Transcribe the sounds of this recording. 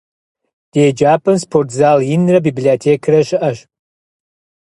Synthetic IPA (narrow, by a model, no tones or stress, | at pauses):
d̥eːd͡ʒaːpʰʼɐnspʰortʰzaljɪnrɐbibliotʰeːkʰrɐʃɪʔɐʃ